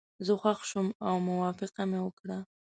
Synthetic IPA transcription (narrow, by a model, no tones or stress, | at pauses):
zəxwaxʃumawmʊwɑfɪqamewəkɽa